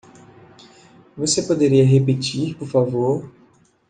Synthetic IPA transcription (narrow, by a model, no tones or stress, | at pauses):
vosepod̪eɾiɐɦepet͡ʃiɾpoɾfavoɾ